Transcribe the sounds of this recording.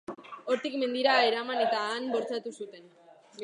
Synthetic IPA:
o̞ɾt̪ikme̞nd̪iɾae̞ɾamane̞t̪aːnbo̞ɾt͡sat̪usut̪e̞n

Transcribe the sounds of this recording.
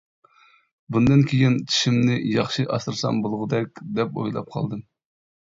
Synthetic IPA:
bund̪ɨnkʲʰejint͡ʃ̪ʰi̥ʃimnɪjɑχʃɨʔɑsɨɾsɑ̰mbolˠʁʊd̪ɛkʲd̪ɛpo̰jlˠɑ̰p̚qʰɑ̰lˠd̪ɨ

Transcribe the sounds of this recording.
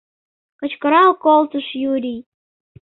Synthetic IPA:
kət͡ɕkəɾɑlkolt̪əʃjuɾʲij

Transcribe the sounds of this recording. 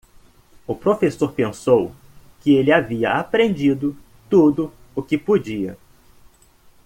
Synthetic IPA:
ʊpɾofesoɾpẽsow | kɪelɪaviɐ̰apɾẽnd͡ʒid̪ʊ | t̪ud̪ʊ | ʊkɪpod͡ʒiɐ̰

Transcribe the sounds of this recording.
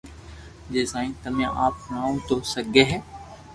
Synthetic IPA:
d͡ʒeːsãːĩːt̪əmjã̰ʔaːpnaːõt̪osəɡeːɦɛː

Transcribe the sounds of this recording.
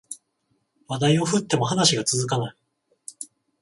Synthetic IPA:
βad̪aio̞ɸɯ̟t̪ːe̞mo̞ɦanaɕiɡat͡sɨzɨkanai

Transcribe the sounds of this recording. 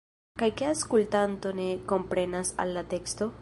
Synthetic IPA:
kajkeaskultanto̞ne̞ko̞mpɾe̞nasa̰lːate̞ksto̞

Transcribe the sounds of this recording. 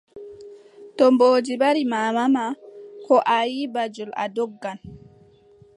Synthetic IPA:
tɔmboːd͡ʒiɓaɾimaːmamakɔʔajibad͡ʒula̰dɔɡːan

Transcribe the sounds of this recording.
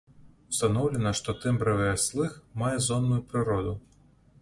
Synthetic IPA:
w̥st̪anɔwlʲɛnɐʂt̪ɔt̪ɨmbɾɛvɐjaslˠɨxmajɛzɔnːujupɾɨɾɔd̪u

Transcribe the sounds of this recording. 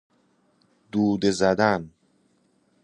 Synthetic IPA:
d̪uːd̪ezæd̪æn

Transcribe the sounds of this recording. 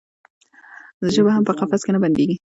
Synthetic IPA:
zəʒəbahampəqafaskenaband̪eɡi

